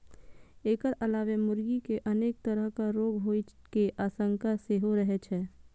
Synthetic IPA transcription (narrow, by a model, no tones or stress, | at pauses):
eːkəɾɐlaːʋemʊɾɡikeʔɐneːk̚t̪əɾəɦkaɾoːɡɦoːi | keʔaːsə̃ŋkaseɦoɾəɦɛt͡ʃʰɛː